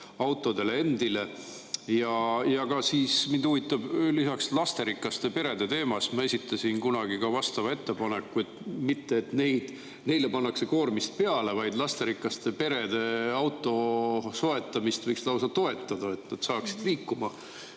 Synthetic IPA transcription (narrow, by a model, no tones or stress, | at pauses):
ɑwt̪ːˑo̞d̪e̞lee̞nd̪ile̞ | jɑjɑɡɑsiːsmind̪̥uvit̪ːˑɑb̥lisɑkslɑst̪e̞ɾikˑːɑst̪e̞pe̞ɾed̪e̞t̪e̞ːmɑst̪mɑe̞sit̪ːˑɑsʲinkunɑɡ̥ikɑvɑst̪ɑvɑe̞t̪ːe̞pɑnekːuet̪mit̪ːeːt̪ne̞jd̪̥ | ne̞jlepɑnːɑkse̞ko̞ːrmist̪̚pe̞ɑle̞vɑjd̪lɑst̪e̞ɾikːˑɑst̪e̞pe̞ɾe̞d̪̥e̞ɑwt̪ːˑo̞so̞e̞t̪ːˑɑmist̪vɤjkslɑwsɑt̪o̞e̞t̪ˑːɑd̪̥ɑe̞t̪nɑd̪̥sɑːksi̥d̪̥liːkːumɑ